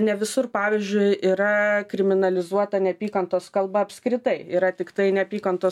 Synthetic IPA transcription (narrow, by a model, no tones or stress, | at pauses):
nʲɛʋʲɪsʊrpɑːʋʲiːzʲd͡ʒʲʊɪʔiːɾɐkɾʲɪmʲɪnɐlʲɪzuɔt̪ɐnʲɛpʲiːkɐnt̪oːskɐlˠbɐɐpʲskɾʲɪt̪ɐɪiːɾɐt̪ʲɪkt̪ɐɪnʲɛɐpʲiːkɐnt̪oː